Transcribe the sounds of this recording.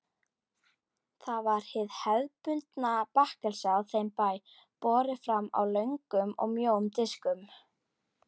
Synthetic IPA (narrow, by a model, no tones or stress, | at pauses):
θavaɾ̥hɪðhɛðpʏnt̪napahkɛlsaθejmpaːj | pɔːɾɪfɾama̰wlœɥŋkʏmɔ̰ɣmjoːwʏmt̪ɪskʏm